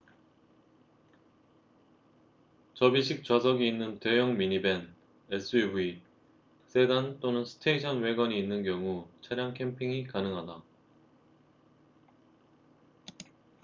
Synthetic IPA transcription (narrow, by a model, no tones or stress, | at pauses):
t͡ɕʌbiɕʰik̚t͡ɕwasʰʌɡiːnːɯnte̞jʌŋmiɲibe̞n | es͈ʰɯibui | s͈e̞ɡant͈onɯnsʰɯ̥tʰeiɕʰʌnwe̞ɡʌɲiːnːɯnk̬jʌŋut͡ɕʰaɾjaŋkʰempʰiŋikanɯŋɦada